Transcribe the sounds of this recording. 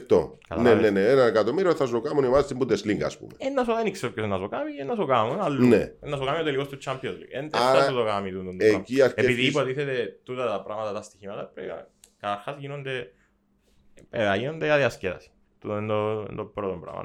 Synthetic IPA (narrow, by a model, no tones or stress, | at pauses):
t̪o̰kɐ̰lneneneenɐnekat̪omiɾioθɐsokamunimazest̪imbud̪esliŋɡɐ̰spṵmeenːɐsoðenikseopkːosenːɐsokamienːɐs̬okamnalːuneenːɐs̬okamiot̪elikost̪ut͡ʃːampiozlḭɡend̪eaɾat̪uðokamit̪ut̪ond̪eciaɾkeepiðiːpot̪iθet̪et̪ut̪ɐt̪ɐpɾa̰ɣmɐt̪ɐt̪ɐst̪içimɐt̪ɐpɾḛia̰ | kɐt̪ɐɾxasʝinond̪e | peɐʝino̞nd̪eaðiɐscetɐ̰si̥ | t̪ut̪nd̪oḛnd̪obɾot̪ombɾɐ̰mɐ̰n